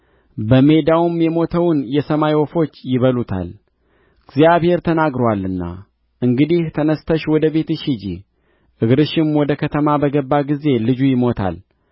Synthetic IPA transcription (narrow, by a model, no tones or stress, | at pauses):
bəme̞d̪awumjɛmo̞t̪ʰəwnjɛsəmajwɔfo̞t͡ʃːjɪβəlut̪ʰa̰l | ɡzjaβhe̞ɾt̪ʰənaɡɾowalːɨnːa̰ | ʔɨŋɡɨd̪iht̪ʰənəst̪ʰəʃwɔd̪əβe̞t̪ɨʃɪd͡ʒḭ | ʔɨɡɾɨʃɪmwɔd̪əkʰət̪ʰəmabəɡəbːaɡize̞lɨd͡ʒujɪmo̞t̪ʰa̰l